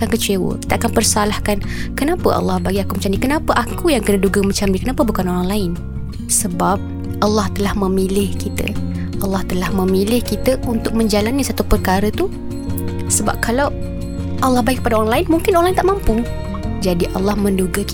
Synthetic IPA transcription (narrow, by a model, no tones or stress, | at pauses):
kankət͡ʃewə̰ki̥t̪əʔakanpərsalahkan | kənapə̰ʔa̰lːɑhbaɡiakumət͡ʃamnikənapəʔakujaŋkənəduɡəmət͡ʃamdikənapəbukanoɾaŋlaɪn | səbap̚ | ʔalːɑht̪əlahməmilɪhkit̪ə̰ | ʔɑlːɑht̪əlahmə̃milɪhkit̪əʔunt̪ʊk̚mə̃ɲd͡ʒalanisat̪upərkaɾət̪u | səba̰p̚kʰalaw | ʔalːɑhbaikːə̥padaoɾaŋlaɪnmuŋkɪnoɾaŋlaɪnt̪aʔmampʊŋ | d͡ʒadiʔalːɑhmə̃nduɡək